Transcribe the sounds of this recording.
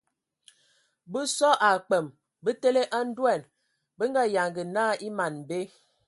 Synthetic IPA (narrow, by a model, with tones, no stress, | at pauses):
bə˦sɔ˦ʔa˨k͡pə˨m | bə˦te˦le˦ʔa˦n̩˦dwɛ˦˨n | bə˦ŋ˦ɡa˦ja˨ŋɡə˨naː˦˨i˦ma˨n˨be˦